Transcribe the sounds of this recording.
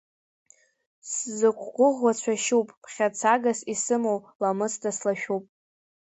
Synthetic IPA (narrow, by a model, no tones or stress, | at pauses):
szɨkʷʰʼɡʷʊʁwat͡ɕʷʰaʃupʼpʰχʲat͡sʰaɡasisɨmowlamɨstaslaʃᶣupʼ